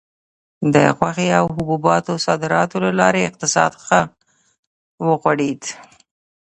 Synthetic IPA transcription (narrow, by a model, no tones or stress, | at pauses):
d̪ə̰xwaxeawɦʊbubɑt̪osɑd̪ɪɾɑt̪olalɑɾeɪq̚t̪ɪsɑ̰d̪xa | wəɣwaɽed̪